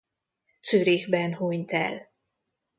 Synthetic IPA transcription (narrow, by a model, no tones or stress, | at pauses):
t̪søɾeːɡbɛnhoɲt̪ɛ̰l